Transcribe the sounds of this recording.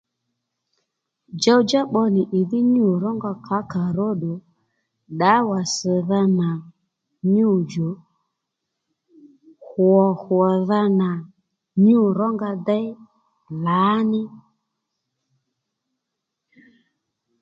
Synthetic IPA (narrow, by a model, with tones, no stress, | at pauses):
d͡ʒa˦wd͡ʒa˦ɓɔ˧nɪ˨ʔi˨ðɪ˦ɲu˦˨ɾɔ˦ŋɡa˧kʰa˨˦ka˨ɾɔ˦ɗɔ˨ | ɗa˨˦wa˨sə˨ða˧na˨ | ɲu˦˨d͡ʒo˨˦ | hwɔ˨hwɔ˨ða˧na˨ | ɲu˦˨ɾɔ˦ŋɡa˧da˦j | la˨˦nɪ˦